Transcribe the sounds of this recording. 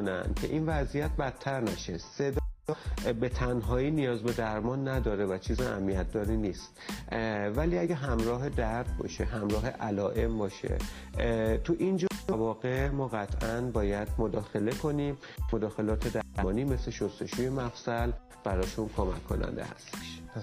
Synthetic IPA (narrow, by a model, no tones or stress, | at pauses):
onænd̪̥̚cʰe̞̰ʔinvæzijæt̪̚bæt̪ʰːæɾnæʃese̞d̪ɒjɒbe̞t̪ʰænɦɒːiːnijɒːzbe̞d̪æɾmɒnːæd̪ɒːɾe̞væt͡ʃʰiːziæ̰mːijæt̪̚d̪ɒːɾiːniːst̪ | væliːæɟæɦæmɾɒːɦe̞d̪æɾd̪̚bɒ̰ːʃeɦæmɾɒːɦe̞ʔælɒːʔe̞mbɒːʃḛ | t̪ʰuʔind͡ʒɒːevɒːɣe̞mɒːɣæt̪ʰʔænbɒːjæd̪̥mod̪ɒːxe̞le̞kʰo̞nimː | od̪ɒːxe̞lɒːt̪ʰe̞d̪æmɒːniːme̞se̞ʃost̪e̞ʃuːje̞mæfsæl | b̥æɾɒːʃunkʰomæ̰kʰːo̞̰næ̰nd̪ḛhæ̰st̪e̥ʃ